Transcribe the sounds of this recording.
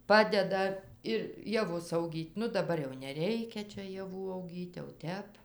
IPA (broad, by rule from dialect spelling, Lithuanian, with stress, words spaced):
ˈpɑːdʲɛdɐ ɪr jɛˈʋʊs ɐʊˈɡʲiːtʲ ˈnʊ dɐˈbɐr jɛʊ nʲɛˈrʲɛɪkʲɛ ˈt͡ʃʲɛ jɛˈʋuː ɐʊˈɡʲiːtʲ jɛʊ ˈtʲɛp